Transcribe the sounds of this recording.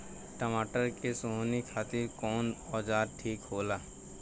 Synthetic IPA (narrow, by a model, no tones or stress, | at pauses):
ʈəmaːʈəɾkesonikʰaːt̪ɪɾkɔːnɔːd͡ʒaːɾʈʰiːkɦoːlaː